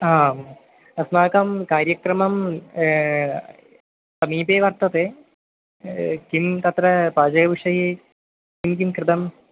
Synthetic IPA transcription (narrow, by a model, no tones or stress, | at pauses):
aːm | ɐsmaːkɐmkaːɾjɐkɾɐmɐm | sɐmiːpeːʋɐɾt̪ɐt̪eː | kimt̪ɐt̪ɾɐpaːd͡ʒɐɡɐʋiʂɐɦi | kimkimkɾɪt̪ɐm